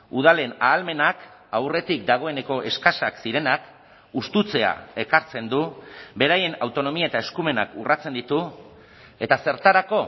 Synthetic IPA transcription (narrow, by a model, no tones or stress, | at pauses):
uð̞ale̞naːlme̞nakawre̞t̪ik̚d̪aɣ̞o̞e̞ne̞ko̞ʔe̞skasaksiɾe̞nak | ust̪ut͡se̞a̰e̞kaɾt͡se̞nd̪ube̞ɾaje̞nawt̪o̞no̞miae̞t̪ae̞skume̞nakurat͡se̞nd̪it̪u | e̞t̪ase̞ɾt̪aɾako̞